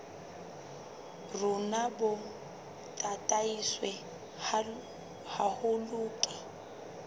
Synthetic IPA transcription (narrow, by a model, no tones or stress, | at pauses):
rʊnabɔ | tʼatʼaiswɛ | hahʊluːǁa